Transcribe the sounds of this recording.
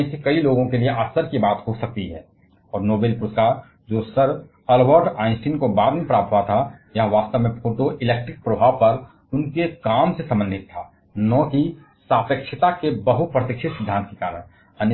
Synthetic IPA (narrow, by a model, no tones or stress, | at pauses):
ĩsekɐiloːɡõkelieʔaːsəɾkibaːt̪ɦosɐk̚t̪iɦɛ̰ː | ɔːɾnoːbeːlpʊɾt̪kaɾ | d͡ʒoːsəɾ | ɐlʋəɾɖaːɪ̃nsiːnkobaːd̪mepɾaːp̪̚ʰɦʋat̪ʰajɐɦə̃ʋaːst̪əʋmẽpʰoːʈoʔɪleːk̚ʈɾɪk̚pɾɐbʱaːʋpɐɾ | ʊnkekaːmsesɐ̃mbə̃nd̪ʱɪt̪ʰːaː | nɔːki | saːpəkʃʰɪt̪akebəɦupɾət̪ɪkʃʰɪt̪sɪd̪ʱːãːnt̪̚kekaːɾəɽ̃ | ən